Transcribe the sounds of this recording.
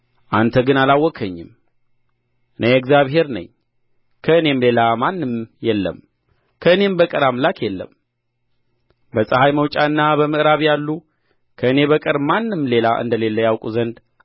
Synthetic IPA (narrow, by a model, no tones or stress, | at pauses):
ʔant̪ʰəɡɨnalawːɔkʰəɲːɪm | ʔɨnʔejɛɡzjaβɦe̞ɾnə̰ɲː | kʰəɨne̞mle̞lamanːɨmjɛlːə̰m | kʰəɨne̞mbəkʼəɾamlakjɛlːə̰m | bəsʼəhajməwt͡ʃʼaɨnːabəmɨʔɨɾaβjalːu | kʰəɨne̞βəkʼɨɾmanːɨmːle̞laʔɨ̰nd̪əle̞lːəjawkʼuzənd̪